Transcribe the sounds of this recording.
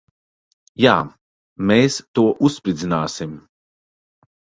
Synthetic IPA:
jaː | meːst̪uɔʔusːpɾid̪zinaːsim

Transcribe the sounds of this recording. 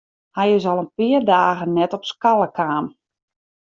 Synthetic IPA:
hajəzɔlˠənpɪərdaːɣənnɛtɔpskalˠəkʰaːm

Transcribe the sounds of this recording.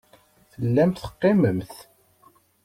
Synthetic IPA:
θəlːæmt̪θə̥qːeməmθ

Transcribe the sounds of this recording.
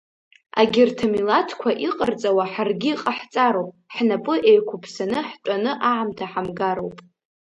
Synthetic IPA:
a̰ɡʲɪrtʰamilatʰkʷʰaʔiqʼərt͡sʼawaħarɡʲiqʼaħt͡sʼaɾowpʼħnapʼɨʔejkʷʰʊpʰsanɨħt͡ʃʷʼanɨʔaʕamtʰaħamɡaɾowpʼ

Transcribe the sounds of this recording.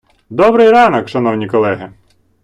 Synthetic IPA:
d̪ɔbɾɪjɾɑnɐkʃɐn̪ɔwnʲijkɔlˠɛɦɪ

